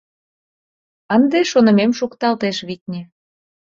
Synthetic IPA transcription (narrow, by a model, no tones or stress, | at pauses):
ənd̪eʃonə̆memʃukt̪ɑlt̪eʃβit̪̚ʲnʲe